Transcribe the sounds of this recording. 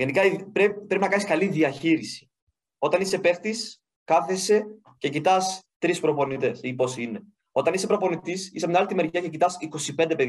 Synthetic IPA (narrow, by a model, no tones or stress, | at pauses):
ʝe̞nikɐipɾepɾe̞pinɐkɐniskɐliðiɐçiɾisi̥ | o̞t̪ɐnise̞pe̞ft̪is | kɐθese̞ | ce̞cit̪ɐst̪ɾispɾo̞po̞nit̪e̞sipo̞sine̞ | o̞t̪ɐnise̞pɾo̞po̞nit̪isisemnɐlit̪imeɾʝɐce̞cit̪ɐsiko̞sipe̞nd̪e̞pe̞ð